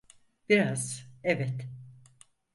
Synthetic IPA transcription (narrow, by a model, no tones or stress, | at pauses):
biɾaz̥ɛvɛt̪